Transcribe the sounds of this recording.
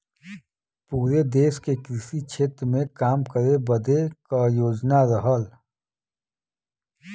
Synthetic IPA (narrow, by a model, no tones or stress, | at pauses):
puːɾed̪eːskekɾɪʃit͡ʃʰeːt̪ɾəmẽkaːmkəɾebəd̪ʱekajoːd͡ʒnaɾəɦəl